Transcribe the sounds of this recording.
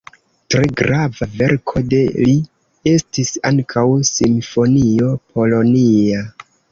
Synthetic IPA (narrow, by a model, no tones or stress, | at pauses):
tɾeɡɾavave̞ɾkʰo̞de̞li | e̞stisaŋkʰawsimfo̞nio̞pʰo̞lo̞nia